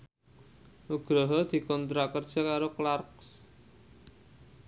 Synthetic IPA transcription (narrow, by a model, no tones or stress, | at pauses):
ʔuɡ̥ɾɔɦɔd̪̥i̤kɔnt̪ɾakərd̥ʒ̥a̤kaɾoklarks